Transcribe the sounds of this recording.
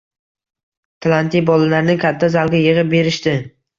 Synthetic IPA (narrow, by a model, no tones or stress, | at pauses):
t̪ʰlˠant̪ijbɒlalaɾnɪkʲʰat̪ʰːazalˠɡʲajɨʁɨp̚be̞ɾɪʃt̪ɪ